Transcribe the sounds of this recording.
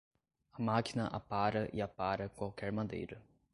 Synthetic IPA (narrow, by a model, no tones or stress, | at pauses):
ɐmakinɐʔa̰paɾɐʔiapaɾɐkwawkɛɾmɐd̪ḛjɾɐ